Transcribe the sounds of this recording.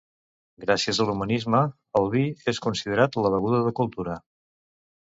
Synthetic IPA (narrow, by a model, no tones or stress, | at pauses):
ɡɾasiəzəlumənizmə | əlˠβieskunsiðəɾat̪ləβəɣ̞uðəðəkulˠt̪uɾə